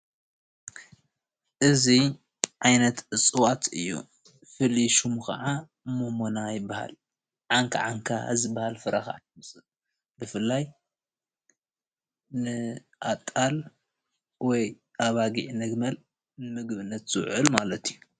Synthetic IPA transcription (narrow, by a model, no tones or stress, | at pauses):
ʔɨzi | ʕajnɐt̪ʔɨt͡sʼɨwat̪ʰɨjːṵ | fɨliʃumkʰɐ̰ʕa | momonajɪbːaha̰l | ʕaŋkʰa̰ʕaŋkʰa̰zɨbːahalfɨɾaxa̰ʕmɨsʼɨ | bɨfɨlːaj | nɨ | ʔat̪ʼːal | wɔj | ʔaβaɡiʕnɐɡmɐl | mɨɡβɨnːɐt̪z̥ɨwʕɨlmalɐt̪ʰiju